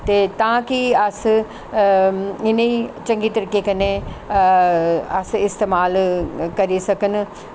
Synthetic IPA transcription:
t̪eːt̪ãːkiəs | ɪneit͡ʃə̃ŋɡiːt̪əɾiːkekɐne | əsɪst̪eːmaːlkɐɾisɐkən

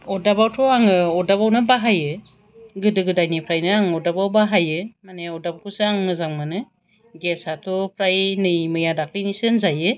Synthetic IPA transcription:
ɔdabawtʰɔaŋɯɔdabawnɯbaɦajɯ | ɡɯdɯɡɯdajnipʰɾajnɯaŋɔdabawbaɦajɯmaneɔdabakʰusɯaŋnɯzaŋmanɯ | ɡesatʰɔpʰɾajnɯjmɯjadaklinisɯnzajɯ

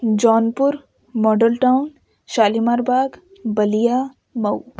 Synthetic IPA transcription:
d͡ʒɔːnpʊɾ | mɔːɖəlʈaʊn | ʃaːlimaːɾbaːɡ | bɐlija | mɐw

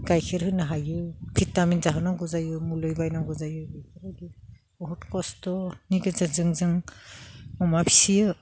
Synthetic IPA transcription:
ɡ̥ajkʰeɾhɯnaɦajɯpʰitaminzaɦanaŋɡɔzajɯmulɯjbajnaŋɡɔzajɯbɯjkʰaɾaɡi | ɔɦɔtkɔstɔniɡɯzɯzɯŋzɯŋ | ɔmapʰi̥sijɯ

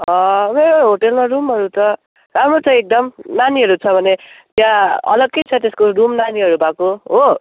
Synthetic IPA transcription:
ʌmeɾoɦoʈelmaɾumɦʌɾut̪ʌ | ɾamɾot͡sʌ̃ek̚d̪ʌmnaniɦʌɾut͡sʰʌbʱʌnet̪jãʌ̰lʌɡ̚kit͡sʰʌt̪eskorumnaniɦʌɾubakoɦo

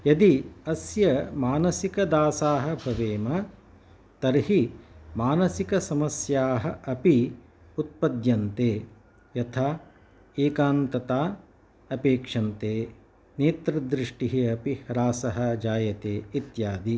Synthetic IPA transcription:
jɐd̪iɐsjɐmaːnɐsikɐd̪aːsaːɦɐbʱɐʋeːmɐ | t̪ɐɾɦimaːnɐsikɐsɐmɐsjaːɦɐʔɐpi | ut̪̚pɐd̪jɐnt̪eː | jɐt̪ʰaː | eːkaːnt̪ɐt̪aː | ɐpeːkʂɐnt̪eː | neːt̪ɾɐd̪ɾiʂʈiɦiɐpihɐɾaːsɐɦɐ̆d͡ʒaːjɐt̪eːit̪jaːd̪i

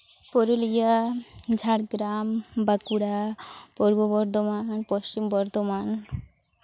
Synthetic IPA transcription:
poɾulijad͡ʑʱaɽɡɾambakuɽapoɾbobɔɾd̪omanpoʃt͡ɕimbɔɾd̪oman

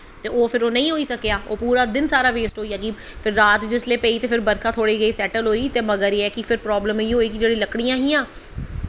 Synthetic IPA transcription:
t̪eːoːpʰɪɾoːnəĩːɦoːiːsəkjaːoːpuːɾaːd̪ɪnsaːɾaːʋeːsʈɦoːiːəɡiː | pʰɪɾːaːt̪d͡ʒɪsleːpɛiːt̪eːpʰɪɾbəɾkʰaːt̪ʰoːɽiːɡəiːsɛːʈəlɦoːiːt̪eːməɡəɾiːɛːkɪpʰɪɾpɾɔːbləmɦiːɦoːiːkɪd͡ʒeːɽĩːləkɽijãːɦĩːãː

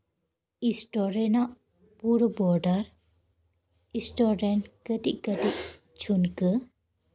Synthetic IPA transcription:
isʈɔɾɛnaʔ | puɾbɔɾɖaɾ | isʈɔɾɖɛnʈkəʈiʔkəʈiʔ | t͡ʃʰunkə

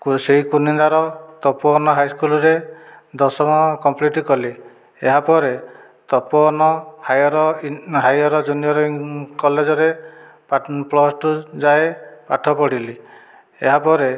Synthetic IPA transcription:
kseikunind̪aɾɔt̪ɔpɔɔnɔɦajskulɔɾed̪ɔsɔmɔkɔmpliʈikɔli | eɦapɔɾe | t̪ɔpɔnɔhajɔɾɔɦajɔɾɔd͡ʒunijɔɾɔkɔled͡ʒɔɾe | paplɔsʈud͡ʒaepaʈʰɔpɔɽ̤ili | eɦapɔɾe

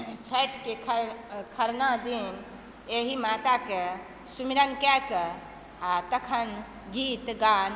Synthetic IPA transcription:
t͡ʃʰɛʈkekʰəkʰəɾnad̪in | eɦimat̪ake | sumiɾənkɛkə | at̪əkʰən | ɡit̪ɡan

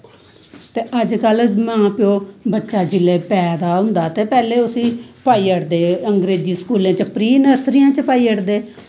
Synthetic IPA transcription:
t̪eːʔəd͡ʒkəlmãːpɪjoːbətːʃaːd͡ʒɪleːpɛːd̪aːɦʊ̃nd̪aːt̪eːpɛːleːʊsĩːpaːiːəʈd̪eːəŋɡɾeːd͡ʒiːskuːlẽːt͡ʃəpɾiːnəɾsɾɪjãːt͡ʃəpaːiːəʈd̪eː

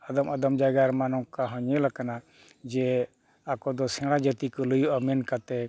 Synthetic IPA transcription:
əd̪əməd̪əmd͡ʒaɡaɾmanɔkaɦɔ̃ɲɛ̃lakana | d͡ʒɛ | akɔd̪ɔsɛ̃ɽ̃ad͡ʒət̪ikɔlujuamɛnkat̪ɛ

